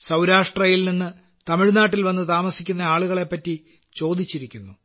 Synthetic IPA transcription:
sɐwɾaːʂʈrɐjilninːɨ | t̪ɐmiɻnaːʈːilʋɐnːɨt̪aːmɐsikʲːunːɐaːɭuɣɐɭe̞pːɐtːi | t͡ɕo̞ːd̪it͡ɕːiɾikʲːunːu

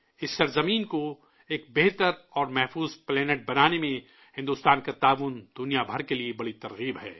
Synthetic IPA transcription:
ɪsːɐɾzɐmiːnko | eːk̚beɦt̪əɾɔːɾmɛɦfuːzplɛːneʈ̚bɐnaːnemẽ | hɪ̃nd̪ʊːst̪aːnkat̪aːʋʊnd̪ʊnijabʱɐɾkeliebɐɽit̪ɐɾɣiːbɦɛ̰ː

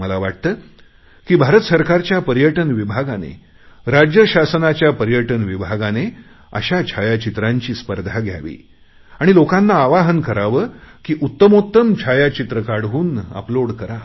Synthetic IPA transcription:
məlaʋaʈ̚t̪əː | kiːbʱaɾət̪səɾkaɾt͡ɕjapəɾjəʈənʋibʱaɡanḛ | ɾad͡ʑjəɕasənat͡ɕjapəɾjəʈənʋibʱaɡane | ə̰ɕat͡ɕʰajat͡ɕit̪ɾaɲt͡ɕiːspəɾd̪ʱaɡʱja̰ʋḭː | aɽ̃ilokanːaːʋaɦənkəɾaʋəːkiːʔut̪ːəmot̪ːəmt͡ɕʰajat͡ɕit̪ɾəkaɽ̤ʋuːnə̰ploɽkəɾa

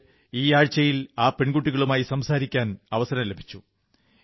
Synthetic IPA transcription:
iːaːɻt͡ɕːɐjilaːpeɳɡuʈːiɣɐɭumaːjisɐmsaːɾikʲːaːnɐʋɐsɐɾɐmle̞bʱi̥t͡ɕːu

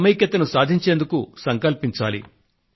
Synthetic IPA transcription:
mɐjkjɐt̪ɐnusaːd̪ʱiɲt͡ʃe̞ːnd̪ukusɐŋkɐlpiɲt͡ʃaːlḭ

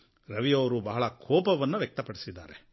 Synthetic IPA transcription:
ɾɐʋijɐːɾubɐɦɐɭɐkʰɔːpɐʋɐnːɐʋjɐk̚t̪ɐpɐɽisid̪ːa̰ːɾe

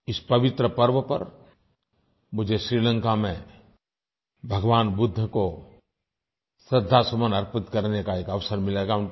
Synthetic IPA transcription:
ɪspɐʋɪt̪ɾəpɐɾʋəpɐ̰ɾ | mʊd͡ʒʱeʃɾiːlə̃ŋkamẽ | bʱəɡʋaːnbʊd̪ʱːəko | sɾɪd̪ʱːasəmənɐɾpɪt̪kɐɾnekaeːkɐʋsəɾmɪleːɡaʊn

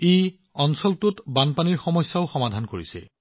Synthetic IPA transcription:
ej | ɔnsɔltʊtbanpaniɹxɔmɔjsːaʊxɔmadʱankoɹisɛ̰

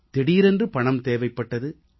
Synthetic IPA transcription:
t̪ɛɽijɾɛndrɯpɐɳɐmt̪eːʋɐɪpːɐʈːɐðɯ

